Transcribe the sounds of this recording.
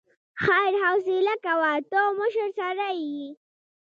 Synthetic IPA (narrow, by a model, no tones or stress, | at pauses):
xajɾhawsilakawat̪omʊʃəɾsaɾaji